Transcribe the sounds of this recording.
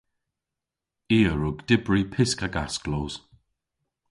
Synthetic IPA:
iːəɹʊɡd̥ɪbɹipʰɪskaɡa̰skloːz̥

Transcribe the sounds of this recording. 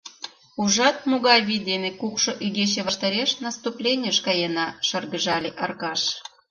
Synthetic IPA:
uʒɑt̪̚muɣɑjvʲid̪ʲemʲekukʃŏʔyɡʲeɕevɑʃt̪ə̆ɾʲeʃnɑst̪uplʲenʲəʃkɑjenɑʃɤrɡəʒɑlʲeʔɑrkɑʃ

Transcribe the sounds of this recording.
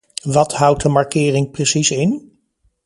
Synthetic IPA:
ʋɑtɦʌwt̚dəmaɹkɪːrɪŋprəsisɪn

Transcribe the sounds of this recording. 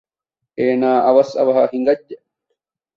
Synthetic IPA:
eːnaːʔɐʋɐsɐ̰ʋɐɦahiŋ̆ɡɐdːe

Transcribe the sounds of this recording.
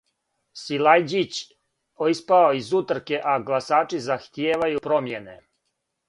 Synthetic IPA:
silajd͡ʑit͡ɕ | oispaoizut̪ɾ̩keʔaɡlˠasaːt͡ʃizaxt̪jeːʋajupɾo̞mjenḛ

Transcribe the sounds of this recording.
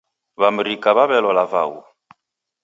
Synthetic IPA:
βam̩ɾikʼaβaβɛlɔlava̰wṵ

